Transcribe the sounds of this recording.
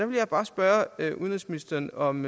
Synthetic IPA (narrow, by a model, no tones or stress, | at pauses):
d̥æʋe̝ljɑɪb̥ɑ̈ːsb̥ɶːɐøuðˠnʁɛsminisd̥ɐːnɒ̽m